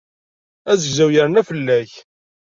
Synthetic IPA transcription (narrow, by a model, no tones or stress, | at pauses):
æzəɡzæwjəɾənæfəlːæç